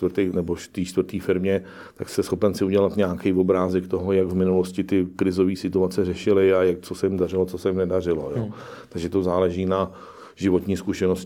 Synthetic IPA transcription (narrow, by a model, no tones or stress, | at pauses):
t̪rt̪ejnɛboʃt̪iːt͡ʃt̪vr̩t̪iːfɪɾmɲɛ | t̪akst̪ɛsxo̞pɛnsɪuɟɛlat̪ɲaːkɛjvo̞bɾaːzɛkt̪oɦo̞jaɡvmɪnulo̞scɪt̪ɪkɾɪzo̞viːsɪt̪uat͡sɛrɛʃɪlɪajak̚t͡sosɛjɪmdarɪlot͡sosɛjɪmnɛdar̝ɪlo̰joː | t̪aɡʒɛt̪ozaːlɛʒiːna | ʒɪvo̞t̪ɲiːskuʃɛnos